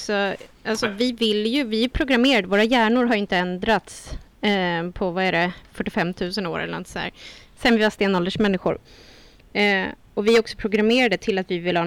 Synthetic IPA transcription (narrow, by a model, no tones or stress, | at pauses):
sɔʔalsɔvɪvɪlːjɵvɪæɾpʰɾʊɡɾameːɾad̪əvoːɾajæːɳʊɾɦaɾjʏɪnt̪əɛnd̪ɾat̪s | pʰɔvaæɾɛfœʈːɪfɛmːt̪ʰʉ̟ːsəno̰ːɾɛ̰lə̰ɾnɔ̰t̪sd̪æ̰ːɾsɛnvɪvast̪eːnːɔld̪əʂmɛnːɪɧʊ̰ɾ | ɔvɪæɾɔksɔ̥pʰɾʊɡɾameːɾad̪ət̪ʰɪlːat̪vɪvɪlːhɑː